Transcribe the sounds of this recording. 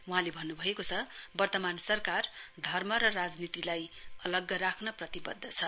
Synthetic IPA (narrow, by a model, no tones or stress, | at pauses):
uɦãlebʱʌnːubʱʌekot͡sʰʌbʌrt̪ʌmansʌrkard̪ʱʌrmʌɾʌrad͡znit̪ilajʌlʌɡːʌɾakʰnʌprʌt̪ibʌ̰d̪ʱːʌt͡sʰʌ